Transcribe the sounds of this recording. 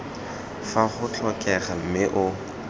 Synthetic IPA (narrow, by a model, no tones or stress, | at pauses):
faχʊt͡ɬɔkʼɛχam̩mɪʔʊ